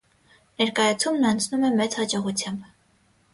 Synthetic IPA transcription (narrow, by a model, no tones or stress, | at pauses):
nɛɾkɑjɑt͡sʰumnɑnt͡sʰnumɛmɛt͡shɑt͡ʃɔʁut͡sʰjɑmb